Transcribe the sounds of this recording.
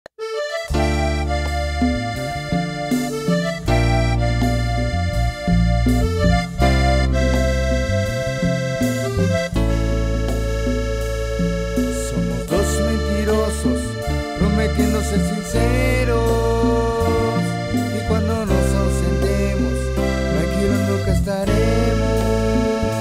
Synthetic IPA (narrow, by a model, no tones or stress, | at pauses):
somost̪osmẽnt̪iɾosos | pɾomet̪jend̪osesinseɾo | s | kekwand̪onosasent̪emos | nakjeɾonlokest̪aɾemo